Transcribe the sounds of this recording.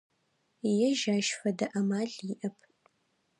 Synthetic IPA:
jɛʒaːʃfɐdɐʔɐmaːɮiʔɐpʰ

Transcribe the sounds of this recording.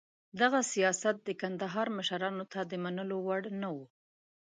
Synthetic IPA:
d̪aɣasijɑsat̪̚d̪əkand̪aɦɑɾməʃaɾɑnot̪ʰad̪əmanəlowaɽnawu

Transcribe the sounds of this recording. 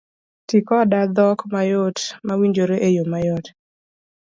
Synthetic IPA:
tikɔdad̪ɔkmajotmawiɲd͡ʒoɾeʔejomajɔt

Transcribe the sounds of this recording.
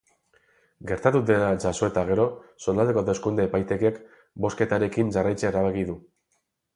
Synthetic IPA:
ɡe̞ɾt̪at̪uðenad͡ʒaso̞e̞t̪aɣ̞e̞ɾo̞so̞nd̪ald̪ekot̪e̞skund̪eepajt̪e̞kek | bo̞ske̞t̪aɾe̞kinʝarajt͡seeɾaβe̞ɣiðu

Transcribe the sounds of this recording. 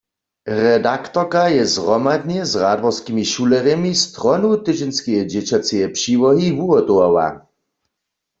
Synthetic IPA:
ʁɛdakt̪ɔkajɛzʁɔmad̪nɛzʁad̪ʋɔskimiʃulɛʁɛmist̪ʁɔnut̪ɪd͡ʒɛnskɛjɛd͡ʑɛt͡ɕat͡sɛjɛpʂiːʋɔɦivuɔt̪owawa̰

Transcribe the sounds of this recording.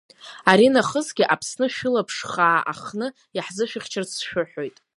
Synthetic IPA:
aɾinaχəzɡʲiʔapʰsnɨʃᶣʊlapʰʂχaːʔa̰χnɨ | jaħzɨʃᶣɪχʲt͡ʃʰart͡sʰʃᶣʊħo̞jtʼ

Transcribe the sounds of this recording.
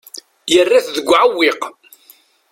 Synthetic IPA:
jərːaθðəɡʷːʕawːɪq

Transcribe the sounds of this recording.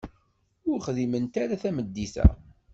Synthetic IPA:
ʊɾχðimənt̪aɾaθæməd̪ːiθæ̰

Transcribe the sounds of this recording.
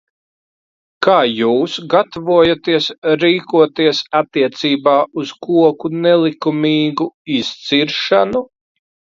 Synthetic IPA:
kaːjuːsɡat̪avuɔjat̪iɛsɾiːkuɔt̪iɛsat̪ːiɛt̪siːbaːuz̥kuɔkunɛlˠikumiːɡuist̪siɾʃanu

